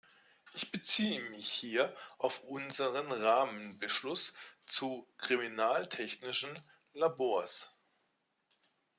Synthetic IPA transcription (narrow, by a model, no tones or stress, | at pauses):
ʔɪçb̥ət͡siːəmɪçhiːɐʔaʊfʔʊnzəʁənʁaːmənbəʃlʊst͡sukʁ̥iminaːltʰɛçnɪʃn̩ | laboːɐs